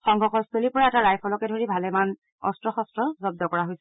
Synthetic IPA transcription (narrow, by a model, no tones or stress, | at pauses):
xɔŋɡʱɔxɔstolipɔɹaɛtaɹajpʰɔlɔkɛdʱoɹibʱalɛman | ɔ̰stɹɔxɔstɹɔzɔb̚dɔkɔɹaɦojsɛ